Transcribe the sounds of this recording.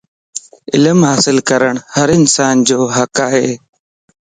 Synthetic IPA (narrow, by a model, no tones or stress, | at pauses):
ɪ̰lmɦaːsɪlkəɾəɳhəɾɪnsaːnd͡ʒoːɦəkaːɦeː